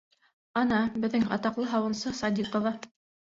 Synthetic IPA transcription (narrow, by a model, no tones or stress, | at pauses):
ɑnɑbɘ̆ðːɘŋɑ̰t̪ɑqlˠɤɦɑwɤ̆nsɤsɑd̪ʲiqŏvɑ